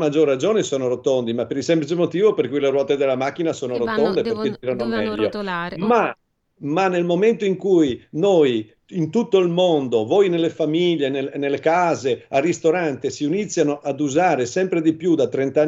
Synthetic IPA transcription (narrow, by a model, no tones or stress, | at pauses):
mad͡ʒorad͡ʒoːnesoːnoɾot̪ond̪imapːeɾilsɛmplit͡ʃemot̪iːvoperkujleɾwɔːt̪ed̪elːamak̟ːinasoːnoɾot̪ːond̪eperk̟ed͡ʒiɾanomɛʎːoma | manelmoment̪oiŋkujnoj | int̪ut̪ːoilmond̪ovojnelːefamiʎːenenelːekaːzearist̪oɾant̪esiunit̪sːjanoʔad̪uzaːɾesɛmpɾed̪ipjud̪at̪ːɾent̪a